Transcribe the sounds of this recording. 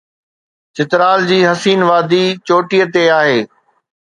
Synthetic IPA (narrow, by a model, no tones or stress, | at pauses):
t͡ɕɪt̪ɾaːld͡ʑiːɦɐsiːnʋaːd̪it͡ɕoːʈijət̪eaːɦeː